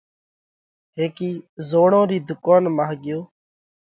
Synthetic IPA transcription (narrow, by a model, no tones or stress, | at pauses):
ɦeːkiːzoːɳõːɾiːd̪ʊkaːnmaːɦɡɪjoː